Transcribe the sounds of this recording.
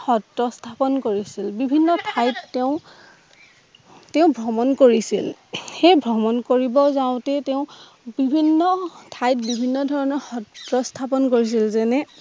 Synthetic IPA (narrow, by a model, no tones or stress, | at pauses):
xɔtɹɔstʰapɔnkoɹisilbibʱinːɔtʰajtːeʊ̃ | teʊ̃bʱɹɔmɔnkoɹisilxejbʱɹɔmɔnkoɹibɔzaʊ̃tɛteʊ̃ | bibʱinːɔtʰajt̚bibʱinːɔdʱɔɹɔnɔɹxɔtɹɔstʰapɔnkoɹis̬ilzɛnɛ